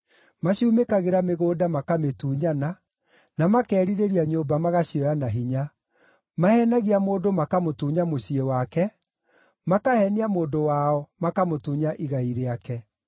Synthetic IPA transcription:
maɕumekaɣeɾameɣoːdamakametuːɲana | namakɛːɾiɾeɾiaɲoːbamaɣaɕiɔjanaɦiɲa | mahɛnaɣiamoːndomakamotuːɲamoɕiewakɛ | makahɛniamoːdowaɔmakamotuːɲaʔiɣaiɾeakɛ

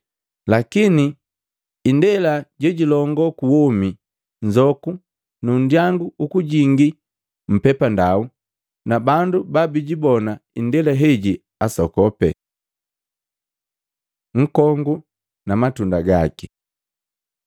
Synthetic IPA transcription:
lakiniː | ndɛlaɟɛɟilɔŋɡɔkuwɔmi | ɲd͡ʒɔku | nun̩djaŋɡuːkuɟiŋɡi | m̩pɛpandau | nabandubabiɟibɔnaindɛlaɦɛɟi | asɔkɔpɛ̰ | ŋ̩kɔŋɡu | namatundaɡa̰ki

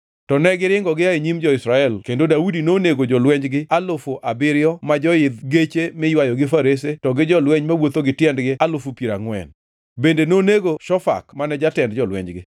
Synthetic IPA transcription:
tɔnɛɡɪɾɪŋɡɔɡɪaeɲimd͡ʒɔɪsɾaɛlkendodaudinoneɡod͡ʒɔlwɛɲd͡ʒɡɪalofoʔabɪɾɪjɔmad͡ʒɔɪd̪ɡet͡ʃemɪjwajɔɡɪfaɾes̬etɔɡɪd͡ʒɔlwɛɲmawot̪oɡɪtjɛndɡɪalʊfupjiɾaŋwɛ̰n | bendenoneɡoʃɔfa̰kmanɛd͡ʒatɛndd͡ʒɔlwɛ̰ɲd͡ʒɡɪ

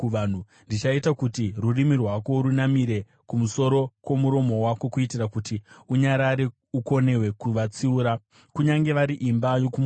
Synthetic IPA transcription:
an̤u | ndit͡ʃaitakutirurimirwako̞ɾunamiɾe̞ | kumuso̞ɾo̞kwo̞muɾo̞mo̞wako̞kuitirakutiuɲaɾaɾe | uko̞newe̞kuʋat͡siuːɾa | kuɲaŋɡe̞ʋaɾiʔimbajo̞kum

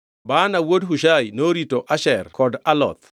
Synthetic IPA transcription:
banawodɦuʃajnoɾitoʔaʃɛrkɔdalɔ̰t̪̚

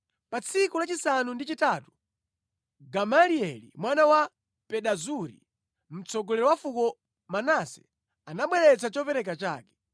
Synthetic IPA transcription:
pat͡sʰikulat͡ʃisanundit͡ʃitaːtu̥ | ɡamaliɛlḭmwanawa | pɛɗazuɾḭ | m̩t͡sɔɡɔlɛɾɔwafukɔ | manasɛ̥ | anaɓwɛɾɛt͡sat͡ʃɔpɛɾɛk̬at͡ʃa̰ːkɛ̥

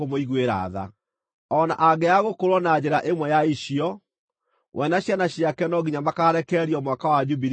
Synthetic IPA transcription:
omoiɣweɾa̰ða̰ | ɔna̰ʔaɡɛaɣokoɾwɔnad͡ʑeɾaʔemwɛjaiʃiɔ | wʔɛnaɕjanaɕiakɛnɔɣiɲamakaɾɛkɛɾiɔmwakawad͡ʒubiɾ

